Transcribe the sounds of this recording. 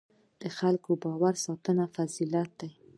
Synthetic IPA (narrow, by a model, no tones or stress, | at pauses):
d̪̥əxalkobɑwaɾsɑt̪ənafazilat̪̚d̪aj